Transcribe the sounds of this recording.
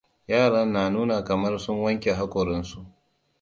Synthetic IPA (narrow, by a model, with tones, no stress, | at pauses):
jaː˦˨ɽɐ˦nːaː˨nuː˦na˨kɐ˨mɐ˦rsʊ˦ŋwɐ˦ŋkʲe˨ɦa˦kʷʼʊ˨ɾɪ˦nsu˦˨ʔ